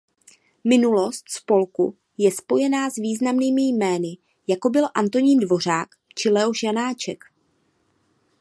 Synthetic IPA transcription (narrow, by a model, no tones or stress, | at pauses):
mɪnulo̞st̪spo̞lkṵ | jɛspo̞jɛnaːzviːznamniːmɪjmɛːnɪ | jako̞bɪlʔant̪o̞ɲiːndvo̞r̝aːk | t͡ʃɪlɛoʃjanaːt͡ʃɛk